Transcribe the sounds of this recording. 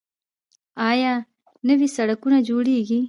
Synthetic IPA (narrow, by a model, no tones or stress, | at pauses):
aːjaː | nɐʋisɐɽɐkunad͡ʒoːɽiːɡi